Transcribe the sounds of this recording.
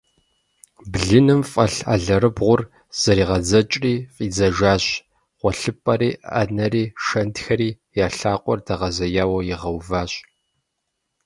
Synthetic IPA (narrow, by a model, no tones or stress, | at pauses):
bɮɨnɨmfʼɐɬa̰ɮɐɾɨbʁʷʊr | z̥ɐɾiːʁɐd͡zɐt͡ʃʼriːfʼiːd͡zɐʒaːɕʼ | χʷɔɬɨpʼɐɾiːa̰nɐɾiːʃɐntxɐɾiː | jaːɬaːqʷʼɔ̰rdʰɐʁɐzɐjaːwɐjɪʁɐwvaːɕʼ